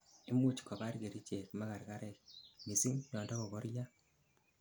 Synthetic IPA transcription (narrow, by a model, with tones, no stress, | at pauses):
i˦mu˦t͡ʃka˨ba˦ɾɡe˨ɾi˦t͡ʃe˨kmaka˨ɾka˦ɾɛ˦kmi˨si˦ŋɲɔ˨nda˦ɣɔ˨ɣɔ˦ɾja˦